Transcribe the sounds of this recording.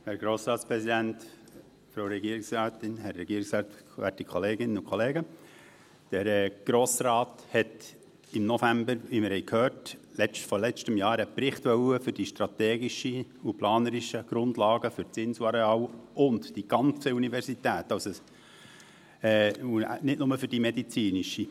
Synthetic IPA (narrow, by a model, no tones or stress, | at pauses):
hæɾɡɾoːsɾɑːtspɾɛsidænt | fɾoʊɾɛɡiːɾɪksɾɑːt̪ɪnhæɾːɛɡiːɾɪksɾɑːt̪ | ʋæ̰tikʰχɔleːɡɪnənʊkʰχɔleːɡə | d̥əɾɛɡ̥ɾoːsɾɑːthɛt | ɪmnɔfæmbəɾʋimɪɾhɛɪkʰhøːɾtlɛt͡ʃtfɔlɛt͡ʃtəmjɑːɾəprɪχtʋœwəfʏɾdiʃtɾɑt̪ɛːɡiʃiuplɑːnəɾiʃəɡ̥ɾʊndlɑːɡəfʏɾt͡sɪnsuɑɾeɑːwʊndd̥iɡ̥ɑnt͡səunivɛɾsitæːtɑʊso | ɛːunɪtnʊməfʏɾd̥imɛd̪it͡siːniʃi